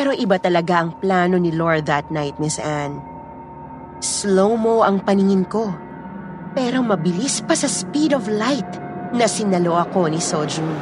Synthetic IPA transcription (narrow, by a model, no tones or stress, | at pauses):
pɛɾo̞ʔɪbat̪ɐlɐɡaʔɐŋplaːno̞nɪloɹðɐt̪̚najt̪̚mɪsʔan | slowmo̞ʔɐŋpɐnɪŋɪnko̞ | pɛɾo̞mɐbɪlispɐsɐspid̪oflajt̪̚nɐsɪnɐlo̞ʔɐko̞nɪsod͡ʒun